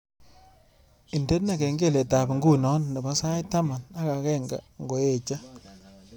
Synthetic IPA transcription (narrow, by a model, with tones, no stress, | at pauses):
i˨nde˦na˦˨ke˨ŋɡe˦˨le˨ta˨pŋɡu˦nɔ˦nːe˨bɔ˦sa˦jta˦ma˨na˦ka˨kɛ˦ŋɡa̰˨ŋɡo˨e˨t͡ʃa˦